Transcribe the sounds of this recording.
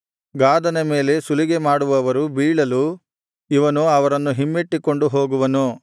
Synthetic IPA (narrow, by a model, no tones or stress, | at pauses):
ɡaːd̪ɐnɐme̞ːle̞suliɡemaːɽuʋɐːʋɐɾubiːɭɐlu | iʋɐnuɐʋɐɾɐnːuɦimːeʈːiko̞ɳɖuɦo̞ːɡuʋɐnu